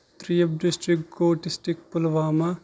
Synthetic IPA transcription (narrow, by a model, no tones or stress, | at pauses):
t̪ɾiːɐp̚ɖisʈɾikɡoːʈisʈikpʊlʋaːma